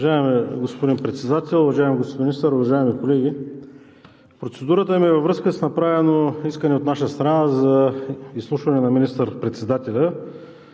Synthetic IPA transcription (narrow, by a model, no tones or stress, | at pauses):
ʒaɛmɛɡospod̪inpɾɛt̪sɛd̪at̪ɛlˠʊvɐʒaɛmiɡosminist̪əɾʊvɐʒaɛmikolɛɡʲi | pɾot̪sɛd̪uɾət̪əmiɛvɐvɾɤskəsnɐpɾavɛnoiskənɛot̪naʃəst̪ɾanazɐislˠuʃvɐnɛnɐminist̪əɾpɾɛt̪sɛd̪at̪ɛlʲə